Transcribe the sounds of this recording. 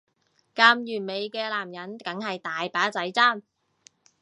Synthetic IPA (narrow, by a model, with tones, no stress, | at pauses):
kaː˧mjyː˨˩nme˨˧jkɛː˧laː˨˩mjɐ˨˥nkɐ˨˥ŋhɐ˨jt̪aː˨jpaː˨˥t͡sɐ˨˥jt͡saː˥˩m